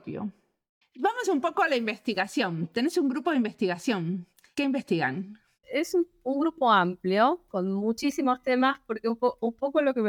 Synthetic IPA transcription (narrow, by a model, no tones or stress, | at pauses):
pjo̰ | bamosumpo̞koalaimbest̪iɣasjo̞nt̪enesuŋɡɾupoðimbest̪iɣasjo̞n | keimbest̪iɣa̰n | esu | uŋɡɾupoampljokonmut͡ʃisimost̪emaspoɾkeupoumpokolokem